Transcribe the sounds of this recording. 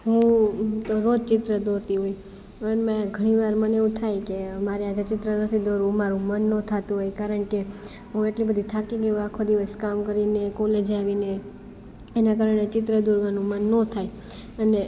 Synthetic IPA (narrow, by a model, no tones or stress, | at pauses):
ɦũt̪oɾod͡ʒt͡ʃɪt̪ɾəd̪oɾt̪iɦoj | ənmãɡʱəɽ̃iʋaɾməneũt̪ʰajkemaɾead͡ʒat͡ʃɪt̪ɾənət̪ʰid̪oɾũmaɾũmənːõt̪ʰat̪ũɦojkaɾəɳke | ɦũeʈlibəd̪ʱit̪ʰakĩkeuakʰːod̪iʋəskamkəɾinekõled͡ʒaʋine | enakaɾəɳet͡ʃɪt̪ɾəd̪oɾʋanũmənːõt̪ʰaj | əne